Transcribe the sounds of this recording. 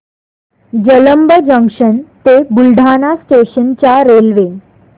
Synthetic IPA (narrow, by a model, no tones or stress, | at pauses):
d͡ʑələmbəd͡ʑəŋkʂənt̪ebulɖʱanasʈeɕənt͡ɕjaɾelʋe